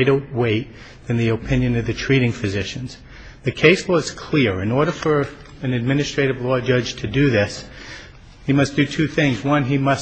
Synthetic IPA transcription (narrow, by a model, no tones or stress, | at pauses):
ɪɾə˞weɪt̪̚ | ðɨ̃nðiɨpʰɪ̃njɨ̃nʌvðɨtʰɹ̥iɾɪ̃ŋfɨzɪʃɨ̃nz̥ | ðɨkʰeɪswʌz̥kʰl̥ɪɹɹɨ̃nɔɹɾə˞fə˞ | ɨ̃nɨd̚mɪ̃nɨstɹ̥eɪɾɨvlɔd͡ʒʌd͡ʒ̥tʰɨdɨðɪs | himʌsd̥ɨtʰʉθɪ̃ŋzwʌ̃nimʌs